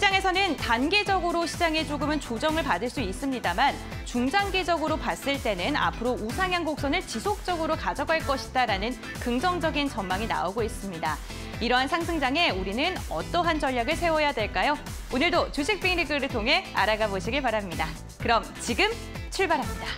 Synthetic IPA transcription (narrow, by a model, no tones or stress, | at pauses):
ɕid͡ʑaŋe̞sʰʌnɯntanɡe̞d͡ʑʌɡɯɾoɕʰid͡ʑaŋet͡ɕoɡɯmɯnt͡ɕod͡ʑʌŋɯɭpadɯɭs͈uis͈ɯmɲidaman | t͡ɕuŋd͡ʑaŋɡe̞d͡ʑʌɡɯɾopas͈ɯɭt͈e̞nɯna̰pʰɯɾousʰaŋjaŋɡok̚s͈ʌnɯɭt͡ɕisʰok̚t͡ɕ͈ʌɡɯɾokad͡ʑʌɡɦaɭk͈ʌɕʰi̥daɾanɯn | kɯŋd͡ʑʌŋd͡ʑʌɡint͡ɕʌnmaŋina̰oɡois͈ɯmɲida | iɾʌɦansʰaŋs̬ʰɯŋd͡ʑaŋe̞uɾinɯnʌ̰t͈ʌɦand͡ʑʌʎːjaɡɯɭsʰe̞wʌjadwe̞ɭk͈ajo | onɯɭdot͡ɕuɕʰik̚p͈ʰiŋɾikɡɯɾɯɭtʰoŋɦe̞a̰ɾaɡaboɕʰiɡiɭpaɾamɲida | kɯɾʌmt͡ɕiɡɯm | t͡ɕʰuɭbaɾɦamɲida